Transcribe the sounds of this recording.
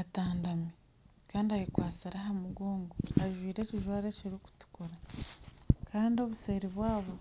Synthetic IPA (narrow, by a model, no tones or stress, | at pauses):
ataːndami | kaːndiajikwaːsiɾaɦamuɡoːŋɡoaʒwiːɾe̞ːciʒwaːɾeciɾiku̥tu̥kuɾa | kʰaːndio̞βuse̞ːɾiβwaːβo